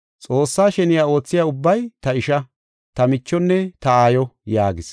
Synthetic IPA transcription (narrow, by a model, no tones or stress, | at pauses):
t͡sʼo̞ːsːaːʃɛnɪjaːo̞ːt͡sːɪjaːʊbːɐjt̪ɐɪʃɐ | t̪ɐmɪt͡ʃːɔnːɛt̪ɐaːjɔjaːɡɪs